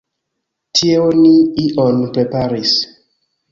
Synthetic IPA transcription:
tʰieoniiʔɔnpɾepaɾis

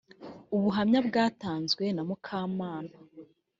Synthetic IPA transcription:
uβuɦamɲabɡaːtaːnzɡwe̞namukʰaːmaːna

